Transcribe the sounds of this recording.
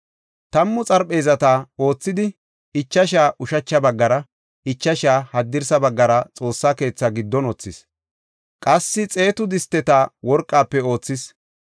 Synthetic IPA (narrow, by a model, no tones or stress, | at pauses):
t̪ɐmːʊt͡sʼɐɾpʼe̞ːzɐt̪aːo̞ːt͡sːɪd̪ɪ | ɪt͡ʃːɐʃaːʔʊʃɐt͡ʃːɐbɐɡːɐɾɐ | ɪt͡ʃːɐʃaːhɐd̪ːɪɾsɐbɐɡːɐɾɐt͡sʼo̞ːsːaːke̞ːt͡sːɐɡɪd̪ːɔnɔt͡sːɪs | kʼɐsːɪt͡sʼe̞ːt̪ʊd̪ɪst̪ːɛt̪aːwɔɾkʼːaːpːɛo̞ːt͡sːɪs